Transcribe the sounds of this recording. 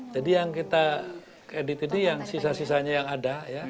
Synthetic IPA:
d͡ʒadijaŋkit̪a | kɾedit̪inijaŋsisasis̬aɲajaŋadaja

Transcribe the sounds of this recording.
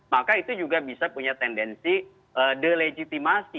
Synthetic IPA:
makait̪ud͡ʒuɡabisapuɲat̪ɛndɛnsi | ʔədəled͡ʒit̪imasi

